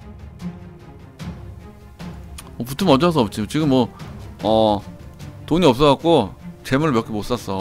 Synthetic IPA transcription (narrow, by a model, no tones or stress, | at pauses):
ʌputʰɯmʌd͡ʑas̬ʰʌʌp̚t͡ɕ͈it͡ɕiɡɯmːwʌʌ | toɲiʌp̚s͈ʌwak͈̚ot͡ɕe̞muɭmjʌk͈ʰemos͈as͈ʌ